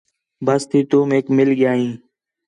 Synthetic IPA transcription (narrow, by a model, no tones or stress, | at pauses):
bəst̪ʰiːt̪uːmeːkmɪlɠɪjaːɦĩː